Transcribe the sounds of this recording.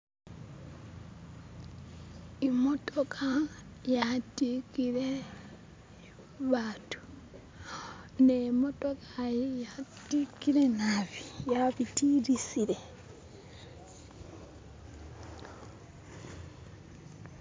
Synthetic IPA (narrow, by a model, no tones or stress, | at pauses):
imotokʰajatikiɾe | βaːtu̥ | nemotokajejatikiɾenaβijaβitiɾisile